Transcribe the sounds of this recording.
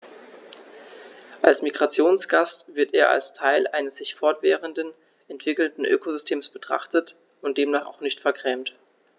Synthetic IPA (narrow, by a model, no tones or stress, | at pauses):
ʔalsmiɡʁat͡sjoːnsɡ̥astv̥ɪɐteːɐʔa̰lstʰaɪlʔaɪnəsz̥ɪçfɔɐtv̥ɛːʁəndən | ʔɛntv̥ɪkl̩dn̩ʔø̰ːkozʏstʰeːmsb̥ətʁ̥a̰χtət | ʊnt̚d̥eːmnaːχa̰ʊxnɪçtfɛɐkʁ̥ɛːmt